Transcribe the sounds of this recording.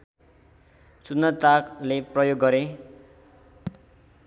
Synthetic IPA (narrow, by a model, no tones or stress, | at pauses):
sunːʌt̪akleprʌjoɡːʌɾe